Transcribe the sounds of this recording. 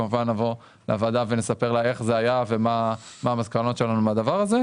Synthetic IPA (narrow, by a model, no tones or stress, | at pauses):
amuvanːavo | leavad̪avene̞sape̞ʁlae̞χzeajavema | maːmazkano̞t̪t͡ʃʃe̞lanumead̪avaʁaze̞